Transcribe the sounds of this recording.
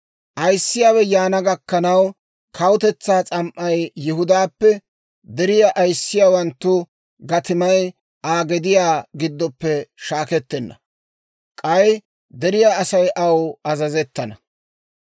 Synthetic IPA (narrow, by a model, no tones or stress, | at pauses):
ʔɐjsːɪjaːwɛjaːnɐɡɐkːɐnɐw | kʰɐwt̪ɛt͡sːaːt͡sʼɐmʔʔɐjːɪɦʊd̪aːpːɛ | d̪ɛɾɪjaʔɐjsːɪjaːwɐnt̪ːʊ | ɡɐt̪ɪmɐj | ʔaːɡɛd̪ɪjaːɡɪd̪ːɔpːɛʃaːkɛt̪ːɛnːɐ̰ | kʼɐj | d̪ɛɾɪjaːɐsɐjʔɐwɐzɐzɛt̪ːɐnɐ